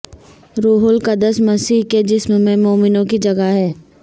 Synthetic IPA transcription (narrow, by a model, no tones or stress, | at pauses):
ɾuːɦʊlkad̪əsmɐsiːɦked͡ʒɪsmmẽmoːmɪnõkid͡ʒɐɡaɦɛː